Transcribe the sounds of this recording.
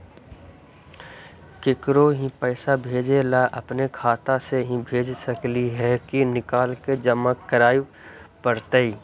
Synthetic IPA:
kɪkɾoɦĩpɛːsabʱeːd͡ʒelaʔɐpnekʰaːt̪aseɦĩbʱeːd͡ʒsəkliɦɛkinɪkaːlked͡ʒəməkːəɾaːi | pəɾt̪əiː

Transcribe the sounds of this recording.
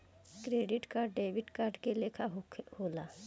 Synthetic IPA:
kɾeːɖɪʈkaːɖɖeːʋɪʈkaːɾɖkeleːkʰaɦhoːlaː

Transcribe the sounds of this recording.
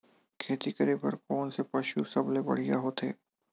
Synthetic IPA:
kʰeːt̪ikəɾepɐɾkɔːnsepɐʃusɐblebɐ̰ɽ̤ija̰ɦoːt̪ḛː

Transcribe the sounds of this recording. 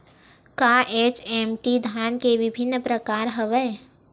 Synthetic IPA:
kaːʔeːt͡ʃeːmʈid̪ʱaːnkeʋɪbʱɪnːpɾəkaːɾɦəʋəː

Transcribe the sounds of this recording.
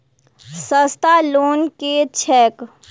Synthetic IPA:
səst̪aloːnket͡ʃʰɛːk

